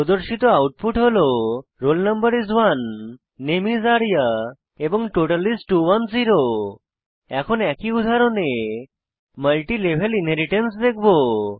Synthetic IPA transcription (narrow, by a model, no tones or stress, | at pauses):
ɔd̪ɔɾsit̪ɔawʈ̚puʈɦolɔɾolnəmbəɾizʋanː | emizaɽja | ebɔŋʈoʈəlisʈʈuʋənziɾo | ɛkʰɔnɛkiud̪ʱaɾɔne | məlʈilebʱelinɦeɾiʈensd̪ekʰbo